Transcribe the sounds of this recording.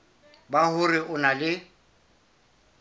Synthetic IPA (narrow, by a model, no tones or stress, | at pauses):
bahʊrɪʊnalɪ